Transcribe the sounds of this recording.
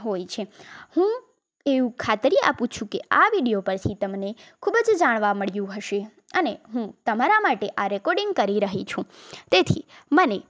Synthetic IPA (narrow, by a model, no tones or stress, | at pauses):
ɦojt͡ʃʰehũ | eʋũkʰat̪ɾia̰pũt͡ʃʰũkea̰ʋiɽijopəɾt̪ʰit̪əmnekʰubəd͡ʒd͡ʒaɽ̃ʋaməɭjũɦəʃe | əneɦũt̪əmaɾamaʈeʔaɾɛkɔɾɖĩŋɡ̚kəɾiɾəɦit͡ʃʰũt̪et̪ʰḭ | məne